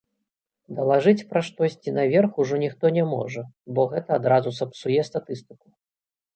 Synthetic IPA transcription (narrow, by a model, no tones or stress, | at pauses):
d̪ɐlˠaʐɨt͡sʲpɾɐʂt̪ɔsʲt͡sʲinɐvʲɛrxuʐɔnʲixt̪ɔnʲɛmɔ̰ʐɐbɔɣɛt̪ɐːd̪ɾazusɐpsujɛst̪at̪ɨst̪ɨku̥